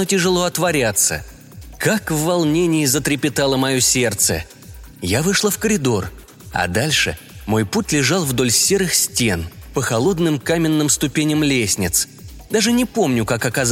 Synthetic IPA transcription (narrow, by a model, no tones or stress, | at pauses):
otʲɪʐɨlˠo̞ɐt̪vɐɾʲat̪sə̰ | kakvːɐlˠnʲenʲɪjɪzət̪ɾʲɪpʲɪt̪alˠəmɐjosʲe̞rt̪sə̰ | javɨʂlˠəfkəɾʲɪd̪o̞r | ɐ̰d̪alʲʂɨ̰ | mo̞jputʲlʲɪʐalˠvd̪o̞lʲsʲeɾɨxsʲtʲenpəxɐlˠo̞d̪nɨmkamʲɪnːɨmst̪ʊpʲenʲɪmlʲesʲnʲɪt̪s | d̪aʐɨnʲɪpo̞mnʲʊkakɐkaz